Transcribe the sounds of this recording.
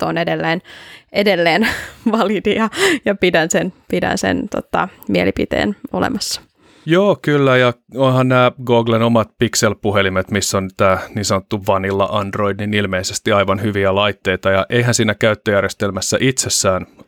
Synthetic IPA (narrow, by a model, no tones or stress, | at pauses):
t̪onedelːeːnʔedelːeːnʋɑlid̪ijɑjɑpidænsenpidæ̰nsḛnt̪o̰t̪ɑ̰mielipit̪ḛːno̰lḛmɑsːɑ̥ | joːkylːæjɑonhɑnnæːɡoːɡlenomɑt̪pikselpuɦelimet̪misːont̪æːniːnsɑnot̪ːuʋɑnilːɑ̰ʔɑndroidninilmeisest̪iɑjʋɑnhyʋiælɑit̪ːeit̪ɑjɑʔeiɦænsiːnækæyt̪ːøjærjest̪elmæsːæ̰ʔit̪sesːæːn